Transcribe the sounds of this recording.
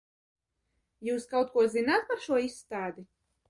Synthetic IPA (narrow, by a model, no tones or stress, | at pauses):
juːskawt̪̚kuɔzinaːt̪̚paɾʃuɔisːt̪aːd̪i